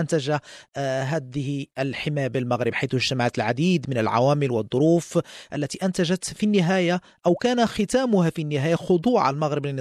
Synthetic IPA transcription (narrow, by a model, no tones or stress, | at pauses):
ʔant̪aʒaɦæːd̪ɪhilħɪmæːjabɪlmaɣɾɪbħajθʊʒt̪amaʕat̪lʕad̪iːd̪mɪnəlʕa̰wæːmɪlwəd̪ˤːʊɾuːfʔalːæt̪iʔant̪aʒat̪finːɪɦæːja | ʔæwkæːnaxɪt̪æːmʊhafinːɪɦæːjaxʊd̪ˤuːʕa̰lmaɣɾɪblɪnː